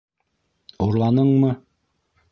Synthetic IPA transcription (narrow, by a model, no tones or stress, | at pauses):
uɾlˠɑnɤɴmɤ